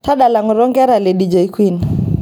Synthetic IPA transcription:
ta˦ɗa˨la˨ŋɔ˨ɾɔ˦ŋɡɛ˦ɾa˨le˨ɗi˨d͡ʒɛ˨i˦kwi˦n

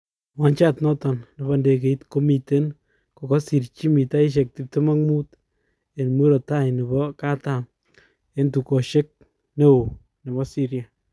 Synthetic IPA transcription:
wa˨˦nt͡ʃa˦tnɔ˦tɔ˨nne˨ba˦nde˨ke˨i˦tko˦mi˨te˦n | ko˨kɔ˦si˨ɾt͡ʃi˦mi˨ta˦i˦ʃ̬e˨k̚ti˨p̚te˦ma˦kmu˦t | e˨nmu˦ɾo˨ta˦jne˨bɔ˦ka˦tam | e˦ntu˨ko˨ʃe˦k̚ | ne˦o˨ | ne˨βɔ˦si˦ɾja˨

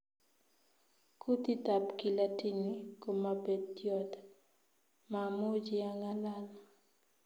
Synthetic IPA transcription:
ku˦t̪i˦ta˨pki˨la˦ti˦ni˦ko˨mːa˨be˨d̚jɔ˦t̪ | ma˨mʊ˦d͡ʒɪ˦a˦ŋa˦la˦la

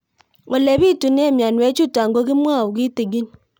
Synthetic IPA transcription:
wo˨le˨bi˦˨tu˨ne˦˨mja˨nwe˨˦t͡ʃu˦˨ta˨ŋ˨ɡo˦ki˦mwa˦˨u˨ki˦te˨ɡi˦n

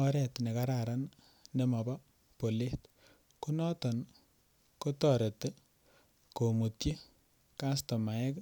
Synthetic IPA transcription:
ɔ˦ɾɛ˨tne˨ka˦ɾa˨ɾan | ne˨ma˨ba˦ | po˨le˦t | ku˦nɔ˦tɔ˨n | ko˦tɔ˨ɾe˨te˦ | ko˨mu˨tji˦ | ka˦stɔ˨ma˨ɛ˦k

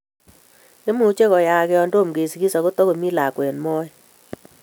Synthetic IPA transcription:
ne˦mu˨˦t͡ʃe˦kɔ˨ja˨kɛ˦ɔ˦ndo˦˨mɡe˨sɡi˦sa˨ɣo˦tɔ˦ɣo˨mi˦la˨kwe˨nmɔ˦j

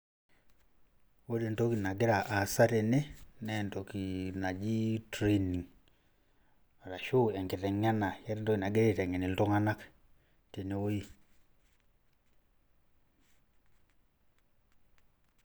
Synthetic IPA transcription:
wo˦de˨nto˦ki˨na˨ɡɪ˦ɾa˨ʔa˨sa˦tɛ˨nɛ˦nɛ˦˨nto˨ki˨na˨d͡ʒi˦tɾe˨ni˨ŋ | a˨ɾa˨ʃu˦ɛ˨ŋkɪ˨tɛ˨ŋa˦na˨ja˦ɾɛ˦ntɔ˦ki˨na˨ɡe˦ɾtɛ˨ŋɛ˨ni˨ltɔ˦ŋa˦na˦k | te˨ne˨wo˦i˦

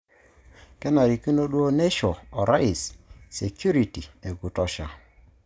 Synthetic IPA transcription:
kɛ˦na˨ɾi˨ki˦no˦ɗu˦o˦ne˦ʃɔ˨ɔ˨ɾa˦i˨sse˨kju˦ɾi˨ti˨e˨ɡu˨tɔ˦ʃa˨

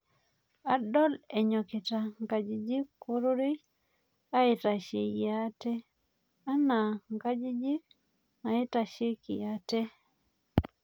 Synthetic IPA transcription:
a˨dɔ˦lɛ˨ɲɔ˨kɪ˨ta˨ŋɡa˨d͡ʒi˨d͡ʒi˦kːo˦ɾo˦ɾe˦j | a˦e˨ta˨ʃe˨ja˦tɛ˦ | a˦na˨ŋɡa˦d͡ʒi˦d͡ʒi˦k | na˨e˦ta˨ʃe˦ki˨ja˨te˦

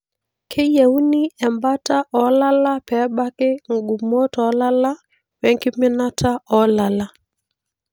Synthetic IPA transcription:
kʰɪ˦jɛ˨u˦ni˦ɛ˨mba˦ta˦ʔɔ˨˦la˦la˦pɛ˨˦ɓa˦kɪ˦ŋ˨ɡu˨mɔ˦tɔ˨˦la˦la˦ | wɛ˨ŋkɪ˦mɪ˦na˦tʰa˦ɔ˨la˨la˨

